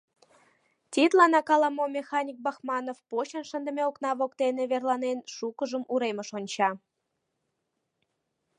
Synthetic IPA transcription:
t̪ʲit̪lɑnɑkɑlˠɑmomʲexɑnʲik̚bɑxmɑnofpoɕənʃə̆nd̪ə̆mʲeoknɑβokt̪eneβerlˠɑnenʃukəʒəmuɾeməʃonʲt͡ɕɑ

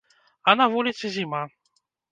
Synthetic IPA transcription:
ɐnɐvulʲit̪sɨzʲima

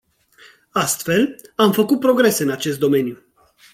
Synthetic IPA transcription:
ast̪fe̞lamfəkut̪̚pɾo̞ɡɾe̞se̞ɨnat͡ʃe̞st̪̚d̪o̞me̞nju

